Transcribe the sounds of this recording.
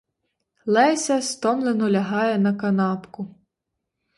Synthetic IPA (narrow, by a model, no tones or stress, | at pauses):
lˠɛsʲɐst̪ɔmlˠenɔlʲɐɦɑjɛnɐkɐnɑpkʊ